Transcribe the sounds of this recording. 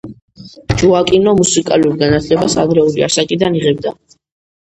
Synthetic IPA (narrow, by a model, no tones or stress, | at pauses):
d͡ʒuakʼinɔmusikʼaluɾɡanat̪ʰlɛbasaɡɾɛulia̰sakʼid̪aniʁɛb̚d̪a